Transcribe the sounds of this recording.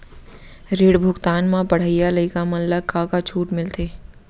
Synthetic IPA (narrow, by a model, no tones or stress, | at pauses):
ɾeːɽbʱʊɡt̪aːnmãpɐɽ̤əijaləikamɐnləkaːkat͡ʃʰuːʈmɪlt̪ʰeː